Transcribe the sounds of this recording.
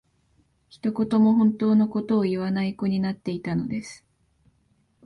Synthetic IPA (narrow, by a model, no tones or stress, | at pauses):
çi̥t̪o̞ko̞t̪o̞mo̞ɦõ̞nt̪o̞ːno̞ko̞t̪o̞ːiβanaiko̞ɲ̟inat̪ːe̞it̪ano̞̰d̪e̞sɨ̥